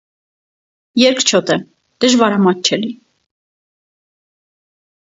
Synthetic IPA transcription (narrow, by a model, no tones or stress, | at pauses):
jɛɾkʰt͡ʃʰɔt̪ɛ | d̪̥əʒvɑɾɑmɑt̪̚t͡ʃʰɛli